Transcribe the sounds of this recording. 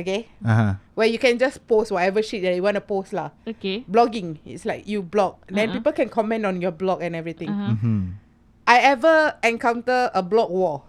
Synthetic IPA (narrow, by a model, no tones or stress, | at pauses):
okeaɦawɛjukɛ̃nd͡ʒaspostwɔtɛvəʃit̚dɛdiwɔ̃ntupostlaokeblɔɡĩŋḭtslaɪkjublɔk̚dɛ̃npipəlkɛ̃nkʰɔmɛ̃ntɔ̃njɔblɔkɛ̃nɛvɹit̪ɪ̃ŋ̩ | ʔajɛvəɛ̃nkãw̃ntəəblɔk̚wɔ